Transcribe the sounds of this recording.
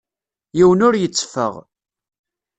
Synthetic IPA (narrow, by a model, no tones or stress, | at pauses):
jiwənʊɾjət͡sːfə̰ʁ